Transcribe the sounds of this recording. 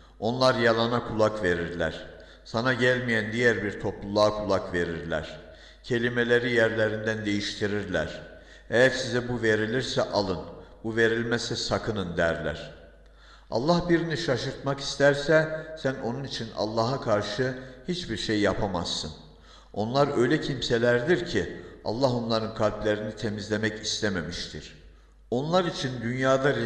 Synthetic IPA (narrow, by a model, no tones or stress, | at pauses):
o̞nlˠaɾjɑlˠɑnakʰulˠakve̞ɾiɾlʲæɾ̥ | sanaɟælʲmijænd̪ijæɾbiɾt̪ʰo̞plˠulˠaːkʰulˠakve̞ɾiɾlʲæ̰ɾ̥ | cʰe̞lʲimelʲeɾijæɾlʲeɾind̪ænd̪e̞jiʃt̪ʰiɾiɾlʲæɾ̥ | ɛjæɾsizɛbuve̞ɾilʲiɾsɛʔalˠɯnbuve̞ɾilʲmɛsɛsakʰɯnɯnd̪æɾlʲæ̰ɾ̥ | ɑ̰lˠːɑhbiɾiniʃaʃɯɾt̪mɑki̥st̪ʰæɾsɛsænʔo̞nunit͡ʃʰinɑ̰lˠːɑːɦakʰaɾʃɯhit͡ʃbiɾʃejːapʰama̰z̥sɯn | o̞nlˠaɾø̞jlʲɛcʰimsɛlʲæɾd̪iɾcʰiɑ̰lˠːɑɦo̞nlˠɑɾɯnkʰalʲblʲæɾinit̪ʰemizlʲemɛcist̪ʰæmæmiʃt̪ʰiɾ̥ | o̞nlˠaɾit͡ʃʰind̪ynjaːd̪aɾ